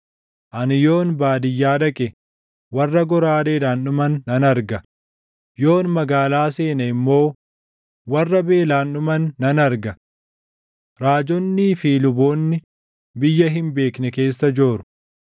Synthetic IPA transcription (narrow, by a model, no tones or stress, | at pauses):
ʔɐnɪjo̞ːnbaːd̪ɪjːaːᶑɐkʼɛ | wɐrːɐɡɔɾaːdeːᶑaːnːʊmɐnːɐnɐɾɡɐ | jo̞ːnmɐɡaːlaːse̞ːnɐɪmːo̞ː | wɐrːɐbe̞ːlaːnːʊmɐnːɐnɐɾɡɐ | ɾaːd͡ʒɔnːiːfiːlʊboːnːɪ | bɪjːɐɦɪmbe̞ːknɛke̞ːsːɐd͡ʒoːɾʊ̥